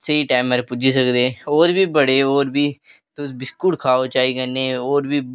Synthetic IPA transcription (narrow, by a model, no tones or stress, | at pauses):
sɐiʈaːməɾpʊd͡ʒisəkd̪eːoːɾbʱiːbəɽeoːɾbʱiː | t̪ʊsbɪskʊʈkʰaːot͡ʃaːikənːeoːɾbʱiː